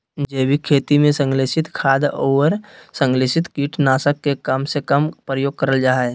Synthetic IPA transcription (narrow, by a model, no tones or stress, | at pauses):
d͡ʒeːbikʰeːt̪imẽsə̃ŋɡleːʃɪt̪kʰaːd̪oːʋəɾsə̃ŋɡleːʃɪt̪kiːʈnaːsəkːekəmsekəmpɾəjoːɡ̚kəɾəld͡ʒaːɦe